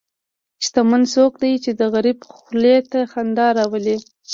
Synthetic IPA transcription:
ʃt̪amansokd̪ajt͡ʃed̪əɣaɾibxlet̪axand̪ɑɾɑwəli

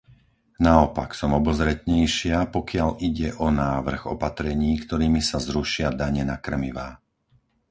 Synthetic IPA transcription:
naɔpaksɔmɔbɔzɾɛt̪ɲɛjʃɪapɔkɪaʎiɟɛʔɔnaːʋr̩ɣɔ̰pat̪ɾɛɲiːkt̪ɔɾiːmisazɾuʃɪad̪aɲɛnakr̩miʋaː

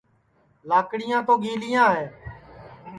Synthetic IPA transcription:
laːkɽɪjãːt̪oːɡiːlɪjãːɦeː

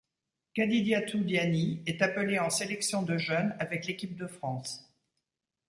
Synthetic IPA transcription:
kad̪id̪jat̪ud̪janiɛt̪apəleɑ̃selɛksjɔ̃d̪əʒœnavɛklekʲip̚d̪əfχɑ̃s

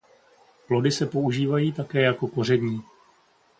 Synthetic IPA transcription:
plo̞dɪsɛpo̞uʒiːvajiːt̪akɛːjako̞ko̞r̝ɛdɲiː

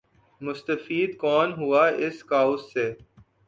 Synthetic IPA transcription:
mʊst̪əfiːd̪kɔːnɦuaɪskaːʊsːeː

